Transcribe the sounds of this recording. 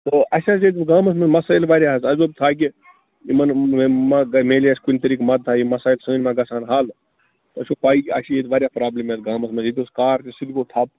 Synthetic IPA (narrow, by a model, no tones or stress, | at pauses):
t̪oʔɐsʲaset̪ɡaːmɐs̬mɐnmɐsaːjlʋaːɾʲjaːɦɐsɐzob̚t̪ʰaːk̬ʲi | imɐnmameːliaːsʲkunʲt̪ɐɾiːkmɐt̪̚ːʰaːjimɐsaːjlsɐnʲmãɡɐsaːnɦaːl | t̪oɐsopaːiːɐ̰sijeːt̪ʋaːɾʲjaːpɾaːblimaːt̪ɡaːmɐsmɐnit̪ʲoskaːɾt̪isid̪koːt̪ʰaːp̚